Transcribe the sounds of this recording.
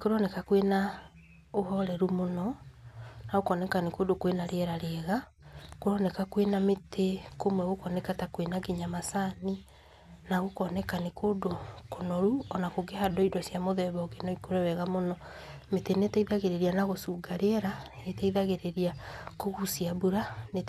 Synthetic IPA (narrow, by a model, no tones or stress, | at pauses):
ikoɾɔnɛkakwena | ohɔɾɛɾumonɔ | naɣokɔnɛkanekodokwenaɾeɛɾaɾeɛɣa | koɾɔnɛkakwenametʰekomwɛɣokɔnɛkatakwenaɡeɲamasani | naɣokɔnɛkanekodokonɔɾuɔnakoɡehadɔidɔsjamoðɛβɔɡenɔikoɾɛwɛɣamonɔ | metenetɛiðaɣeɾeɾianaɣosuːɡaɾeɛɾanetaiðaɣeɾeɾiakoɣusiabuɾane